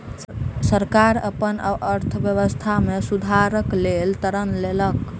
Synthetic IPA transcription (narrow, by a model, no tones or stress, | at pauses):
səɾkaɾə̰pənə̰bəɾt̪ʰbjəβəst̪ʰamesud̪ʱaɾəklelt̪əɾənlelək